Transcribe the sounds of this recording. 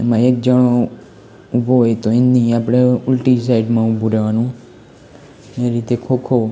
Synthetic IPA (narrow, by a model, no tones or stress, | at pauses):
emãek̚d͡ʒəɽo | ubʱoɦojt̪oɪ̃nd̪iapɽ̃eʊlʈis̬aɪɖmãʊbʱuɾeʋanũ | eɾit̪ekʰokʰo